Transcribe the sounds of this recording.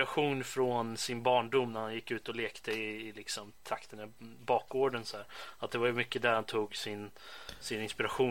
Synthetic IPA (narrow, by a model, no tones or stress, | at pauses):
ɾaɧuːnfɾɔnsɪnbɑːɳɖʊmːnæɾhanjɪkːʉ̟ːt̪ɔleːkt̪əɪːlɪksɔmt̪ʰakt̪ənəbɑːkɡoːɖənsɔhæːɾat̪̚d̪ɛvaɾjmʏkːəd̪æɾhant̪ʰuːɡsɪn | sɪnɪnspɪɾaɧuː